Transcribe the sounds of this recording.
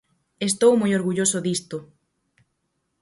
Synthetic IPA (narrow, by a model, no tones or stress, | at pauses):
est̪owmojoɾɣuʎosʊðist̪ʊ